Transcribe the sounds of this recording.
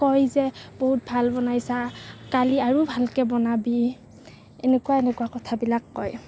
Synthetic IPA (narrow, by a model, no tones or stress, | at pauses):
kɔjzɛboɦut̚bʱalbɔnajsakaliaɹubʱalkɛbɔnabi | enɛkuwaenɛkuwakɔtʰabilakːɔj